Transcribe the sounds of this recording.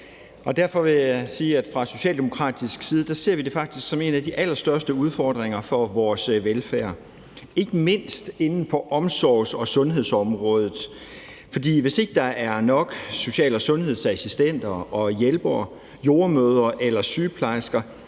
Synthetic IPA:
ʔɒ̽d̥æɐ̰fɒ̽ʋe̝jæsiːæd̥fʁɑ̈so̝ɕɛ̰ːld̥e̝mo̝kʰʁɑ̰̈ːd̥isɡ̥siːð̞̩ˠd̥æse̝ɐ̰ʋid̥e̝fɑ̈ɡ̥̚d̥i̥sɡ̥sɒ̽me̝ːnæd̥iʔæl̰ɐsd̥ɶɐsd̥əuð̞ˠfɒːd̥ʁeŋɐfɒ̽ʋɒːsʋelfæɐ̰ | e̝ɡ̥əme̝n̰sd̥e̝nn̩fɒ̽ʔɒ̽msɒʊsɒ̽sɔ̽nɦe̝ð̞̰ˠsɒ̽mʁɔ̽ːð̞ˠð̩ˠ | fɒ̽d̥ḭːʋe̝se̝ɡ̥əd̥ɑ̈ʔæɐnɒ̽ɡ̥so̝ɕɛ̰ːlɒsɔ̽nɦe̝ð̞̰ˠsæsisd̥en̰d̥ɐʔɒ̽jelb̥ɐ | jo̝ːɐmøːð̞ˠɐʔelɐsyːpʰlɑ̈ɪsɡ̥ɐ

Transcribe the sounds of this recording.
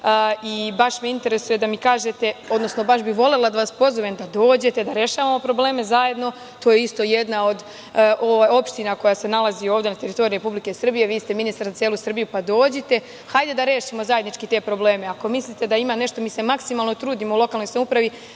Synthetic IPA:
ibaʃmiint̪e̞ɾe̞suje̞d̪amikaːʒet̪e̞o̞d̪nosno̞baʃbiʋo̞lelad̪aʋaspo̞zoʋemd̪ad̪o̞ːd͡ʑe̞t̪e̞d̪aɾje̞ʃaːʋamo̞pɾo̞ble̞ːme̞zaje̞d̪no̞ | t̪oːjeist̪o̞jed̪nao̞d̪ | ʔoʋajo̞pʃt̪inako̞jase̞nalˠazio̞ːʋd̪e̞nat̪e̞ɾit̪o̞ɾiɾe̞publike̞sr̩bije̞ʋiːst̪e̞minist̪aɾzat̪jeːlˠusr̩bijupad̪o̞ːd͡ʑet̪e̞ | xajd̪e̞d̪aɾeːʃimozajed̪nit͡ʃkit̪e̞ːpɾo̞ble̞ːme̞ako̞mislit̪e̞d̪aimaːne̞ʃt̪o̞miːse̞maksimalˠnot̪ɾuːd̪imoulˠo̞kaːlno̞jsamupɾaʋi

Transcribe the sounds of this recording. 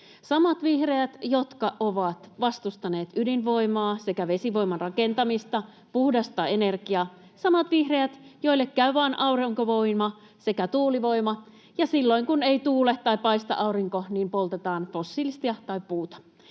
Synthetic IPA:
sɑmɑt̪ʋihreæt̪jot̪kɑʔoʋɑt̪ʋɑst̪ust̪ɑne̞ːt̪ydinʋo̞imɑːse̞kæʋe̞siʋo̞ijmɑnrɑkent̪ɑmist̪ɑ | puhdɑst̪ːɑenerkiɑ | sɑmɑt̪ʋihreæt̪joilːekkæyʋɑːnʔɑurɑŋkoʋo̞imɑ | se̞kæt̪uːliʋo̞imɑ | jɑsilːo̞iŋkuneit̪uːlet̪t̪ɑjpɑist̪ɑ̰ʔɑuriŋkoniːmpolt̪et̪ɑːnfo̞sːilist̪iɑt̪ɑipuːt̪ɑ̥

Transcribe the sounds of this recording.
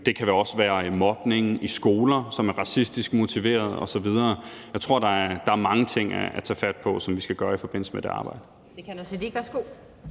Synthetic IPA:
d̥e̝kʰæʋeɒ̽sʋæːɐmɒ̽b̥ne̝ŋn̩ʔisɡ̥o̝ːlɐsɒ̽mæɐʁɑ̈sisd̥isɡ̥mo̝t͡sʰiʋe̝̰ːɐð̞ˠɒ̽sɒ̽ʋið̞ˠɐːjɑ̈ɪt͡sʰʁo̝ɐ̰d̥ɑ̈æɐd̥ɑ̈æɐmɑ̈ŋət͡sʰe̝ŋ̰æ̰æt͡sʰɛ̰ːfæd̥̚pʰɒ̽sɒ̽mʋisɡ̥æɡ̥ɶːɐifɒ̽b̥e̝n̰lsəmed̥e̝ɑ̈ːb̥ɑ̈ɪ̰d̥ə | kʰnsediʋæsɡ̥o

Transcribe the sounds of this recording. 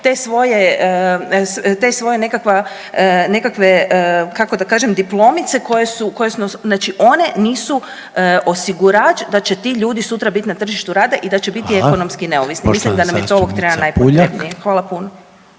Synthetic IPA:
t̪e̞sʋo̞je | st̪esʋo̞je̞ne̞kakʋa | ne̞kakʋeəkakod̪akaːʒemd̪iplˠo̞mit̪seko̞jesukojesunosznaːt͡ʃiʔo̞ne̞niːsu | o̞siɡuɾat͡ʃd̪at͡ɕe̞t̪iʎuːd̪isut̪ɾabit̪inat̪r̩ʒiʃt̪uɾaːd̪aʔid̪at͡ɕebit̪ieko̞nomskine̞oʋisnimislimd̪anamjet̪ooʋokt̪ɾebanajpoɾebnijexʋaːlapuno

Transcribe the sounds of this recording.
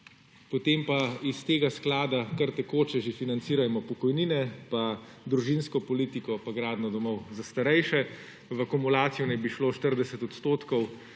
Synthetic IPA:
pɔt̪eːmpaist̪eːɡasklaːd̪akaɾt̪ɛkoːt͡ʃɛʒefinant̪siːɾajɛmɔpɔkɔjniːnɛpa | d̪ɾuʒinskɔpɔlit̪ikɔpaɡɾaːd̪nɔd̪ɔmɔwzast̪aɾɛjʃɛ | ʋəkumulaːt̪sijɔnɛjbiʃloːʃt̪əɾd̪ɛsɛt̪ɔt̪st̪oːt̪kɔw

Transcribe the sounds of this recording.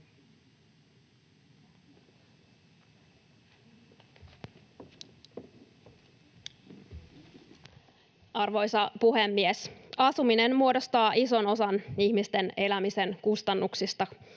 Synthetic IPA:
ɑrʋo̞jsɑpuɦe̞mːiesɑsumine̞nmuo̞dost̪ɑːʔiso̞no̞sɑniçmist̪e̞ne̞læmise̞nkust̪ɑnːuksist̪ɑ

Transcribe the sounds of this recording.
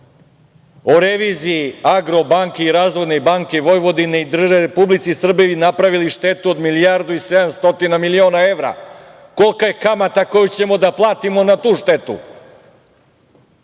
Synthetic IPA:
oɾeʋiːziiaɡɾo̞baŋkeiɾaːzʋo̞j̪ne̞baŋkeʋo̞jʋo̞d̪ineid̪r̩ʒeɾepublit̪sisr̩beʋinapɾaʋiliʃt̪e̞t̪uod̪milijaɾd̪uise̞d̪amst̪o̞t̪inamilio̞ːnae̞ʋɾa̰ | ko̞lˠkaje̞kamat̪ako̞jut͡ɕe̞mo̞d̪aplˠaːt̪imo̞nat̪uːʃt̪e̞t̪ṵ

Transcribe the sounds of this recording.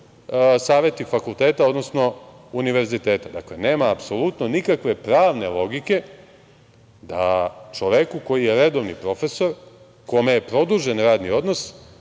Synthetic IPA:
saːʋe̞t̪ifakulˠt̪eːt̪ao̞d̪nosno̞ | uniʋe̞ɾzit̪eːt̪ad̪a̰klene̞ːmaːpsolut̪nonikakʋe̞pɾaːʋne̞lo̞ɡike̞ | d̪a̰t͡ʃoʋekuko̞jijeɾed̪o̞ʋnipɾo̞fe̞so̞ɾ | komejepɾo̞d̪uʒenɾaːd̪nio̞d̪nos

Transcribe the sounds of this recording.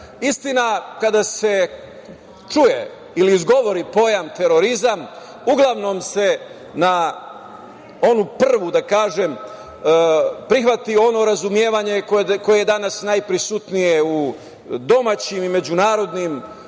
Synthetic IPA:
ist̪inakad̪ase̞ | t͡ʃujḛ | iliːzɡo̞ʋo̞ɾipo̞jamt̪e̞ɾo̞ɾizam | uɡlˠaʋno̞mse̞ | na | o̞nupr̩r̩ʋud̪akaːʒem | pɾixʋat̪io̞no̞ɾazumje̞ːʋaɲe̞kko̞jejed̪anasnajpɾisut̪nijeu | d̪o̞mat͡ɕimime̞d͡ʑunaːɾo̞d̪nim

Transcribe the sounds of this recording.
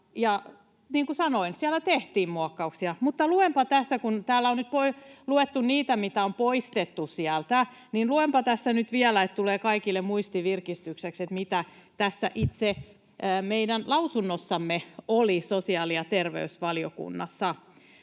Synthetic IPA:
jɑ | niːŋkusɑnoinsiælæt̪eht̪iːmmuɑkːɑuksiɑmut̪ːɑluʋempɑt̪æsːækunt̪æːlːæonyt̪̚poiluet̪ːunniːt̪æmit̪æompoist̪et̪ːusiælt̪æ | ninluempɑt̪æsːænyt̪ʋiælæet̪t̪uleːkɑikilːemmuist̪iʋirkist̪yksekset̪mit̪æt̪æsːæ̰ʔit̪se | ʔːmeidænlɑusunːosːɑmːeolisosiɑːliɑt̪erʋḛysʋɑlio̰kṵnːɑsːɑ

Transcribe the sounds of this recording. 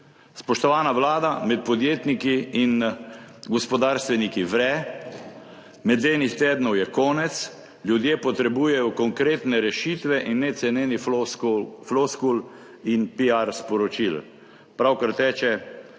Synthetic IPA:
spɔʃt̪ɔʋaːnaʋlaːd̪amɛt̪̚pɔd̪jeːt̪nikiːn | ɡɔspɔd̪aːɾst̪ʋɛnikiʋɾɛ | mɛd̪leːnixt̪eːd̪nɔwjɛkɔːnɛt̪s | lʲjud̪jeːpɔt̪ɾɛbuːjɛjɔkɔŋkɾeːt̪nɛɾɛʃit̪ʋɛʔinːɛt̪sɛnjeːni | flɔskul | inpiaɾspɔɾɔt͡ʃil | pɾawkaɾt̪ɛːt͡ʃɛ

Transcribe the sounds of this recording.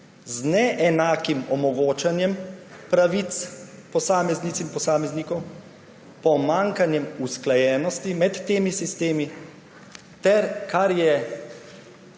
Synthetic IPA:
znɛʔɛnaːkimɔmɔɡoːt͡ʃanjɛmpɾaʋit̪spɔsaːmɛzniːsimpɔsaːmɛznikɔw | pɔmaːŋkanjɛmusklajɛːnɔst̪imɛt̪ːeːmisist̪eːmi | t̪ɛɾkʰaɾjɛ

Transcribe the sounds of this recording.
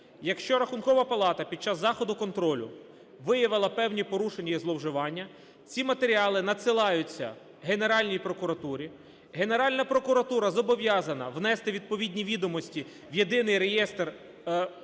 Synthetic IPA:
jɐkʃt͡ʃɔɾɐxʊnkɔʋɐpɐlˠɑt̪ɐpʲid̪̚t͡ʃɑzːɑxɔd̪ʊkɔnt̪ɾɔlʲʊ̰ | ʋɪjɐʋɪlˠɐpɛwnʲipɔɾuʃenʲːɐizlˠɔwʒɪʋɑnʲːɐ | t͡sʲimɐt̪e̞ɾʲiɑlˠɪnɐsɪlˠɑjʊt͡sʲːɐ̰ | ɦene̞ɾɑlʲnʲijpɾɔkʊɾɐt̪uɾʲi | ɦe̞ne̞ɾɑlʲnɐpɾɔkʊɾɐt̪uɾɐzɔbɔʋjɑzɐnɐʋnɛst̪ɪʋʲid̪̚pɔʋʲidʲnʲiʋʲid̪ɔmɔsʲtʲi | wjed̪ɪnɪjɾejɛst̪r

